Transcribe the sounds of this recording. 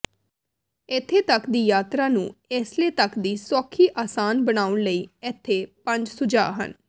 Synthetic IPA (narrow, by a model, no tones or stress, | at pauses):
ɪt̪ʰːeːt̪əkd̪iːjaːt̪ɾaːnṵ̃ːeːsleːt̪əkd̪iːswɔːkʰːiːʔaːsaːnbənaːʊnləiːɪt̪ʰːeːpə̃ɲd͡ʒsʊd͡ʒa̰ːɦə̰n